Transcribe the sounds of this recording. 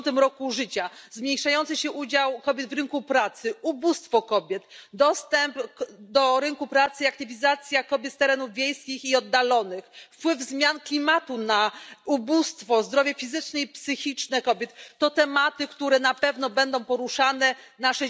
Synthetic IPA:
t̪ɘmɾɔkuʐɘt͡ɕazmɲejʂajɔnt̪sɨɕɛʔud͡ʑawkɔbʲjɛd̪vɾɘŋkupɾat̪sɘubust̪fɔkɔbʲjɛt̪d̪ɔst̪ɛmpd̪ɔɾɘŋkupɾat̪sɘiak̚t̪ɘvʲizat̪sʲjakɔbʲjɛt̪sɛɾɛnuvvʲjejskʲixiɔd̪ːalɔnɘxfpwɘvzmʲjanklʲimat̪unaubust̪fɔzd̪ɾɔvʲjɛfʲizɘt͡ʂnɛipsɘxʲit͡ʂnɛkɔbʲjɛt̪ːɔt̪ɛmat̪ɘkt̪uɾɛnapɛvn̪ɔbɛnd̪ɔ̃w̃pɔɾuʂanɛ | naʂɛ

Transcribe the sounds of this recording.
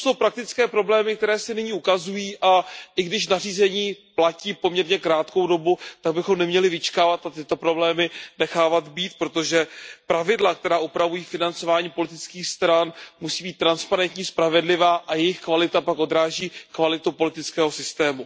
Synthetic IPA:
so̞wpɾak̚t̪ɪt͡skɛːpɾo̞blɛːmɪk̚t̪ɛɾɛːsɪnɪɲiukazujiːʔaʔɪɡdɪʃnariːzɛɲiːplaciːpo̞mɲɛɾɲɛkɾaːt̪kowdo̞but̪aɡ̚bɪxo̞mnɛmɲɛlɪvɪt͡ʃkaːvat̪at̪ɪt̪o̞pɾo̞blɛːmɪnɛxaːvat̪biːt̪̚pɾo̞t̪o̞ʒɛpɾavɪdlak̚t̪ɛɾaːʔupɾavujiːfɪnant͡so̞vaːɲiːpo̞lɪt̪ɪt͡skiːxst̪ɾanmusiːbiːt̪ːɾanspaɾɛnt̪ɲiːspɾavɛdlɪvaːʔajɛjɪxkvalɪt̪apakʔo̞d̪ɾaːʒiːkvalɪt̪upo̞lɪt̪ɪt͡skɛːɦo̞sɪst̪ɛːmu

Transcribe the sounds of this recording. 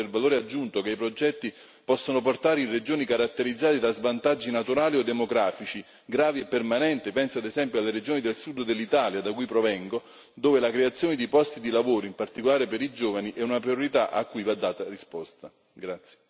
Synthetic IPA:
elvaloːɾead͡ʒːunt̪okeipɾod͡ʒɛt̪ːi | pɔsːonoport̪aːɾeinred͡ʒoːnikaɾat̪ːeɾid̪zːaːt̪id̪azvant̪ad͡ʒːinat̪uɾaːliod̪ːemoɡɾaːfit͡ʃi | ɡɾaːviepːermanɛnt̪ɪpɛnsoad̪ezɛmpjoalːeɾed͡ʒoːnid̪elsud̪d̪elːit̪aːljad̪akujpɾovɛŋɡo | d̪oːvelakɾeat̪sːjoːned̪ipɔst̪id̪ilavoːɾoimpart̪ikolaːɾepeɾid͡ʒoːvaniʔɛunapɾioɾit̪aʔa̰kːujvad̪ːaːt̪arispɔst̪a | ɡɾat̪sje

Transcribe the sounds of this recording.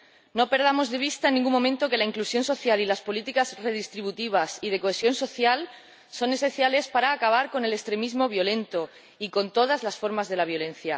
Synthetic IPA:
no̞pe̞ɾð̞amo̞zðe̞β̞ist̪aenːĩŋɡumːõmẽnt̪o̞ke̞laiŋklusjo̞nso̞θjalilaspo̞lit̪ikazre̞ð̞ist̪ɾiβut̪iβ̞asið̞e̞koe̞sjo̞nso̞θjal | so̞ne̞se̞nθjale̞spaɾaːkaβ̞aɾko̞ne̞le̞st̪ɾe̞mizmo̞βjo̞lẽ̞nt̪o̞ | iko̞nt̪o̞ð̞azlasfo̞ɾmazðe̞laβ̞jo̞lẽ̞n̟θja

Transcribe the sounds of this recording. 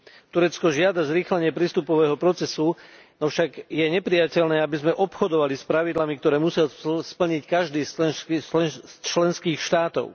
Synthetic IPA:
t̪uɾɛt͡skɔʒɪad̪azɾiːxlɛɲɪɛpɾiːst̪upɔʋɛːɦɔpɾɔt͡sɛsu | nɔfʃaɡjɛɲɛpɾijacɛʎnɛːabizmɛʔɔpxɔd̪ɔʋalispɾaʋid̪lamik̚t̪ɔɾɛːmusɪaspl̩ɲickaʒd̪iːs | t͡ʃlɛnskiːxʃt̪aːt̪ɔ̰ʊ

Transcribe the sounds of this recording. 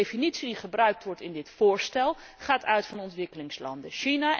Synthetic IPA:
efinitsidiχəbrœɥk̚tʋɔɹtɪndɪtfʊːɹstɛlˠ | χaːtœɥtfɑnɔntʋɪkəlɪŋslɑ̰ndəʃina

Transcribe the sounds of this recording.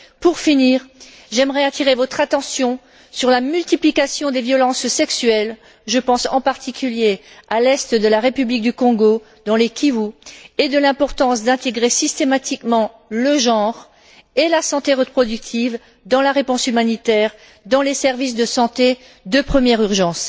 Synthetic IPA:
puʁfiniːʁ | ʒɛmʁɛat̪ʰiʁevɔt̪χat̪ɑ̃sjɔ̃ | syʁlamylt̪iplikasjɔ̃d̪evjɔlɑ̃ssɛksyɛl | ʒəpɑ̃sɑ̰̃paʁt̪ikʰʲyljealɛst̪d̪əlaʁepyblik̚d̪ykɔ̃ɡo | d̪ɑ̃lekʰʲivued̪əlɛ̃pɔʁt̪ɑ̃sd̪ɛ̃t̪eɡʁesist̪emat̪ikmɑ̃ | ləʒɑ̃ʁ | elasɑ̃t̪eʁəpχɔd̪yk̚t̪ʰiv | d̪ɑ̃laʁepɔ̃symanit̪ɛːʁ | d̪ɑ̃lesɛʁvis̬d̪əsɑ̃t̪e | d̪øpχəmjɛʁyʁʒɑ̃s

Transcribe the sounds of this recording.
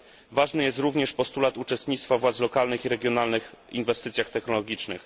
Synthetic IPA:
vaʐnɘjɛst̪ɾuvɲɛʂpɔst̪ulat̪ut͡ʂɛst̪ɲit̪t̪favwat̪slɔkalnɘxiɾɛɡʲjɔnalnɘxinvɛst̪ɘt̪sʲjaxt̪ɛxnɔlɔɡʲit͡ʂnɘ̰x

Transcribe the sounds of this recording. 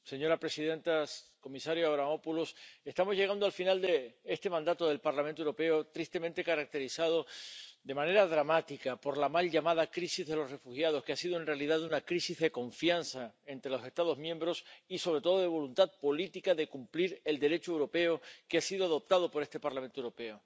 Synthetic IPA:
se̞ɲo̞ɾapɾe̞sið̞ẽ̞nt̪ako̞misaɾjoaβɾamo̞pulose̞st̪amo̞zʝe̞ɣ̞and̪oalfinald̪eest̪e̞mãnd̪at̪o̞ðe̞lpaɾlamẽnt̪owɾope̞ot̪ɾist̪e̞mẽnt̪e̞kaɾak̚t̪e̞ɾisað̞o̞d̪e̞mãne̞ɾað̞ɾamat̪ikapo̞ɾlamalʝamað̞akɾisizðe̞lo̞sre̞fuxjað̞o̞skeasiðoe̞nre̞aliðaðunakɾisizðe̞ko̞ɱfjansae̞nt̪ɾe̞lo̞se̞st̪að̞o̞zmjẽ̞mbɾo̞siso̞β̞ɾe̞t̪o̞ð̞oð̞e̞β̞o̞lunt̪að̚po̞lit̪ikaðe̞kumpliɾe̞ld̪e̞ɾe̞t͡ʃoewɾo̞pe̞okeasiðoaðo̞p̚t̪að̞o̞po̞ɾest̪e̞paɾlamẽnt̪oewɾope̞o

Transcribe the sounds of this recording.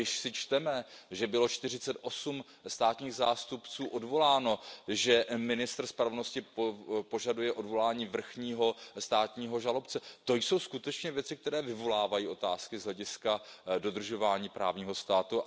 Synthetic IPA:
ɪʃsɪt͡ʃt̪ɛmɛʒɛbɪlo̞t͡ʃt̪ɪrɪt͡sɛt̪ʔo̞sum | st̪aːt̪ɲiːɣzaːst̪upt͡suːʔo̞dvo̞laːno̞ʒɛmɪnɪst̪r̩spɾavno̞scɪpo̞ʒadujɛʔo̞dvo̞laːɲiːvr̩xɲiːɦo̞st̪aːt̪ɲiːɦo̞ʒalo̞pt͡sɛt̪o̞jso̞wskut̪ɛt͡ʃɲɛvjɛt͡sɪk̚t̪ɛɾɛːvɪvo̞laːvajiːʔo̞t̪aːskɪzɦlɛɟɪskado̞d̪r̩ʒo̞vaːɲiːpɾa̰ːvɲiːɦo̞st̪aːt̪u

